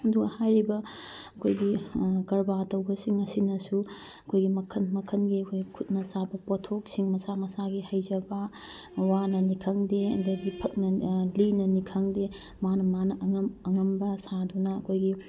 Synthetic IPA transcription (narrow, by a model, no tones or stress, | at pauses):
ɐduɡɐhajɾibɐɐkʰojɡikɐɾbatɐwbɐsiŋɐsinɐsuɐkʰojɡimɐkʰɐnmɐkʰɐnɡiɐkʰojɡikʰut̚nɐsabɐpotʰok̚siŋmɐsamɐsaɡihɐjd͡ʒɐbɐ | wanɐnikʰɐŋdeɐ̰dɐɡipʰɐk̚nɐlinɐnikʰɐŋde | manɐmanɐʔɐŋɐmɐŋɐmbɐsadunɐɐkʰojɡi